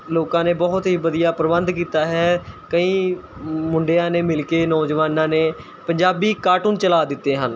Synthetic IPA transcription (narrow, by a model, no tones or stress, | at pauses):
loːkãːneːbɔːʊt̪ɦiːbəd̪ijaːpɾəbənd̪k̬iːt̪aːɦɛːkəĩː | mʊɳɖejãːneːmɪlkeːnɔːd͡ʒʋaːnãːneː | pəɲd͡ʒaːbiːkaːʈuːnt͡ʃəlaːd̪ɪt̪ːeːɦən